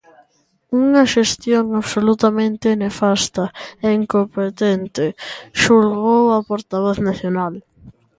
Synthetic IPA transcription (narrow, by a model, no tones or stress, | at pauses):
uŋaʃest̪joŋaβsolut̪amẽnt̪ɪnefast̪aeiŋkompet̪ɛnt̪ɪʃulɣowapoɾt̪aβɔθnaθjonal